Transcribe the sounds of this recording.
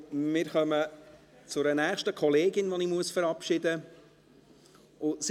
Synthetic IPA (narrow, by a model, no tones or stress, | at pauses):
mɪːɾχœmə | t͡sʊɾənæːχʃtəkʰɔleːɡɪnʋɔnɪmuəsfəɾɑpʃɪd̪ə | ʊs